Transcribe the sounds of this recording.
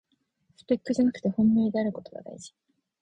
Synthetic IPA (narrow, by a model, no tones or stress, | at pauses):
ɸɯ̥pe̞kːɯ̟ʑanakɯ̟̥t̪e̞hõ̞mːiːd̪eaɾɯ̟ko̞t̪o̞βa̰d̪a̰iʑi̥